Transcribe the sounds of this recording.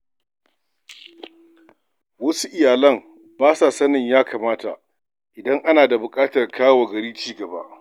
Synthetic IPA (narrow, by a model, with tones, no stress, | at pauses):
wɐ˦su˦ʔɪ˨jaː˨lɐ˦m | baː˦saː˨sɐ˦nɪ˨ɲjaː˦kʰaː˨maː˦ta̰˨ʔ | ʔɪ˨dɐ˦ŋʔa˦naː˨da˨bʊ˨kʼaː˦tɐ˨rkʰaː˦wa˨ɡɐ˨ɽiː˦t͡ʃiː˦ɡɐ˨ba̰˦ʔ